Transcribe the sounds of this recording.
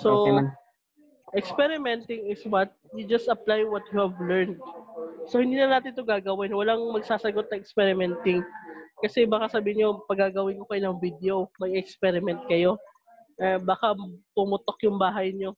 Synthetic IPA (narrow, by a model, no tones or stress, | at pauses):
so | ʔɛkspɛɾɪmɛnt̪ɪŋɪswɐt̪̚jʊd͡ʒɐst̪ɐplajwɐt̪̚juhɐvlɛɹnd̪̚sohɪnd̪iːnɐnaːt̪ɪnt̪oɡaːɡɐwɪnwɐlaŋmɐɡsaːsɐɡo̞t̪̚nɐʔɛkspɛɾɪmɛnt̪ɪŋkɐsɛbaːkɐsɐbiːhɪɲopɐɡaːɡɐwɪnkokɐjonɐŋvid̪eomɐɡɛkspɛɾɪmɛnt̪̚kɐjo̞ | ʔɐbaːkapʊmʊt̪o̞kjʊŋbaːɦɐjɲo̞